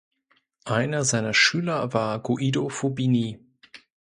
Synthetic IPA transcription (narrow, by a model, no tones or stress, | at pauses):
ʔaɪnɐzaɪnɐʃyːlɐvaːɐɡoʔidofobiniː